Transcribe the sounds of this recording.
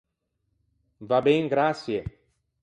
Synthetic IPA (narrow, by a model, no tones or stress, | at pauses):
vabẽj̃ɡɾasie